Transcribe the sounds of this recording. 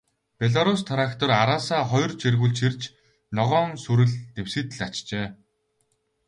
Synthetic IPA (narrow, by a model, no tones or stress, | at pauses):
pʲeɮaɾust̪ʰaɾakt̪ʰɔraɾaːsaːχɔjrt͡ɕerɣuɮt͡ɕʰirt͡ɕ | nɔʁɔːŋsuɾɘ̆ɮt̪ew̥sɘ̆ːt̪ɘ̆ɮat͡ɕt͡ɕeː